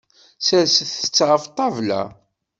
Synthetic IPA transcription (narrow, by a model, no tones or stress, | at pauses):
sælsəθə̥t͡sːʁəft̪ˤːɑvlæ̰